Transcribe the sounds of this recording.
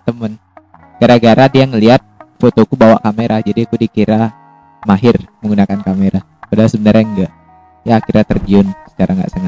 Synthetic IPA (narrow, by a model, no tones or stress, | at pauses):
t̪əmən | ɡ̥aɾaɡaɾadiaŋəliat̪̚fot̪okubawaʔkameɾʔad͡ʒadiakudikiɾa | maɦɪrməŋɡunakankameɾa | udaasəbənərɲaŋɡaʔ | jakiɾjat̪ərd͡ʒiʊnsə̥kaɾaŋɡa̰ʔsəŋat̪̚